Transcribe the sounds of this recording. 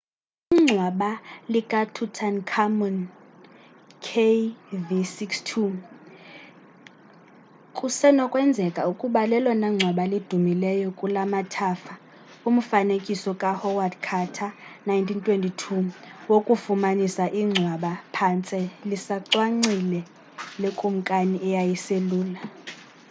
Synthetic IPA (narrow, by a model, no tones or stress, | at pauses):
iŋ͡ǀʱwaɓalikʼatʰutʰankʰamɔn | kʰevisikstʰu | kʼusɛnɔkʼwɛnd͡zʱɛkʼaukʼuɓalɛlwanaŋ͡ǀʱwaɓalid̥ʱumilɛjɔkʼulamatʰaːfa | um̩fanekʼisɔkʼahɔwardkʰatʰanajntʰintʼʰwentʼitʰuwokʼufumanisaʔiŋ͡ǀʱwaɓapʰant͡sʼɛlisaǀwaŋ͡ǀilɛ | lɛkʼum̩kʼaniʔɛjajiseluːla